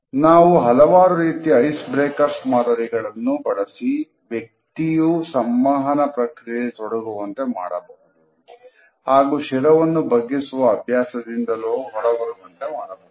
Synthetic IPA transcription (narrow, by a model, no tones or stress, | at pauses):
naːʋuɦɐlɐʋaːɾuɾiːt̪iɐjsbɾeːkɐɾsmaːd̪ɐɾiɡɐɭɐnːubɐɽɐsi | ʋjek̚t̪ijusɐmʋaːɦɐnɐpɾɐkɾijɐit̪ɔɽɐɡuʋɐnt̪e̞ma̰ːɽɐ̰bɐɦud̪u | haːɡuːʃɛɾɐʋɐnːubʱɐɡːisuʋɐːbʱjaːsɐd̪ind̪ɐloːɦɔɽɐɡɐɾuʋɐnt̪e̞maːɽɐbɐɦ